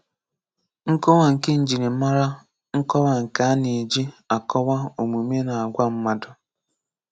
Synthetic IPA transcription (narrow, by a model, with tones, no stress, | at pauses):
ŋ̩˦kɔ˦wa˨ŋ̩˨ke˦n̩˨d͡ʒi˨ne˨˦ma˦ɾa˦ | ŋ̩˦kɔ˦wa˨ŋ̩˨ka˦a˦ni˨d͡ʒi˦a˨kɔ˦wa˦o˨mu˨m˦e˦na˨a˨ɡʷa˦m̩˦ma˦dʊ˦